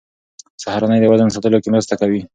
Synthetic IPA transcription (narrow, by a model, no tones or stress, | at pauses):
sahaɾanəjd̪əwazansat̪əlokemɾəst̪akawi